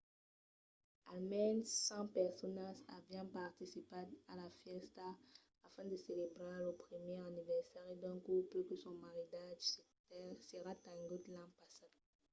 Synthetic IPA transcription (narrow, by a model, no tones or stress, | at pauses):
almɛnsɑ̃pɛʁsɔnazavjɑ̃paʁt̪isipad̪alafjɛst̪a | afɛ̃d̪əselebʁealopʁimjɛʁanivɛʁsɛʁed̪ɛ̃kuʁplykəsɔ̃maʁid̪aʒsetɛseʁat̪ãŋɡut̪lãpasad̪